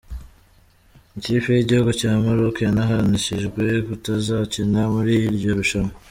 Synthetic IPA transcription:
iciːfejiɟihuɡocaːmuɾokenaɦaɾaniʃiʒɡwe̞kutazaciɲamuɾiɾɟo̞ɾuʃamo

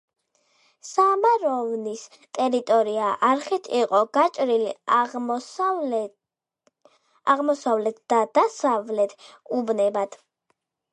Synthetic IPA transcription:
samaɾɔvnis | t̪ʼɛɾit̪ʼɔɾiaʔaɾχit̪ʰiqʼɔɡ̥at͡ʃʼɾili | aʁmɔsavlɛt̪̚ʰd̪̥ad̪̥asavlɛt̪ʰubnɛbad̪̥

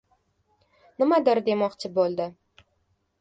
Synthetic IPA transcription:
nɪmad̪ɪɾd̪e̞mɒqt͡ʃʰɪbolˠd̪ɪ

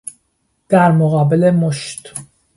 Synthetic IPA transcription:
d̪̥æɾmoɣɑːbelemoʃt̪

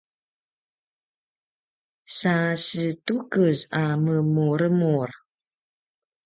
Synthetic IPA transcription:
sasətukəzaməmuɾəmur

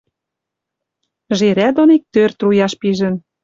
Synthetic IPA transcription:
ʒeɾæd̪onik̚t̪ørt̪rujɑʃpiʒə̆n

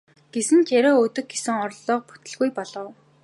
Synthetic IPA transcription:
ɡ̥esɘ̆nt͡ɕæɾoːɵt̪ɵ̆k̚ɡesɘ̆ŋɔrɮɔːq̚pu̥t̪ɘ̆ɮɣujpɔɮɞ̆w

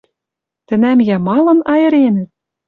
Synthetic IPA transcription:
t̪ɘ̆næmjæmɑlˠɤ̆nɑjɤ̆ɾʲenɘ̆t̪̚

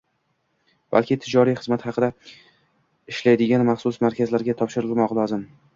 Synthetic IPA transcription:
b̥a̰lkʲʰɪt̪ʰɪd͡ʒɒɾijχɨzmat̪hɑqʰɨd̪a | ɪʃlajd̪ɪɡʲanmɑχsʊsmaɾkʲʰazlaɾɡʲat̪ʰɒpʃɪɾɪlˠmɒqlˠɒzɪm

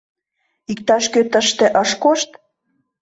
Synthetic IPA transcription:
ik̚t̪ɑʃkøt̪əʃt̪eʔəʃkoʃt̪

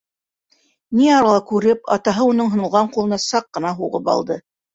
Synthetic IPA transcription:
niɑɾɑlˠɑkʉɾɘpɑ̰t̪ɑɦɤunɤɴɦŏnɤ̆lˠʁɑɴqulˠɤ̆nɑsɑqːɤ̆nɑɦuʁɤpɑ̰lˠd̪ɤ

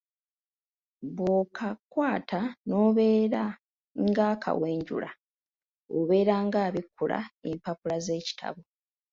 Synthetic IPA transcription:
βwokʰakwaːtano̞ːβe̞ːɾa | ŋɡaːkʰa̰we̞ːɲɟṵla̰ | o̰βe̞ːɾaŋɡaːβikːula̰empapulaze̞ːci̥tʰa̰βo

